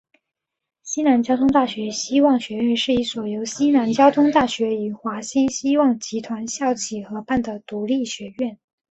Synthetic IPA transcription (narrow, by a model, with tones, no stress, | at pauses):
ɕi˥na˧˥nt͡ɕjɑ˥ʊt̪ʰʊ˥ŋt̪a˥˩ɕɥɛ˧˥ɕi˥wɑ˥˩ŋɕɥɛ˧˥ɥɛ˥˧nʂɻ̩˥˩i˥˩swɔ˨˩jo˧˥ʊɕi˥na˧˥nt͡ɕjɑ˥ʊt̪ʰʊ˥ŋt̪a˥˩ɕɥɛ˧˥y˨˩xwa˧˥ɕi˥ɕi˥wɑ˥˩ŋt͡ɕi˧˥t̪ʰwa˧˥nɕjɑ˥˩ʊt͡ɕʰi˨˩xɤ˧˥pa˥˩nd̪ə˩t̪u˧˥li˥˩ɕɥɛ˧˥ɥɛ˥˩n